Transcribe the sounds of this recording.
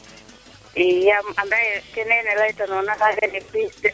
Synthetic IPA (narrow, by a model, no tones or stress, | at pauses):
ijamandaɛkɛnɛnɛlaitanɔnakaɡɛnɛpistɛ